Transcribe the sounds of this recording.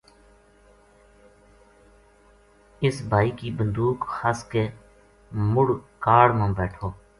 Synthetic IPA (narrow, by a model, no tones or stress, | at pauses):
ɪsbʱaːiːkiːbənd̪uːkhaːskeː | mʊɽkaːɽmãːbɛːʈʰoː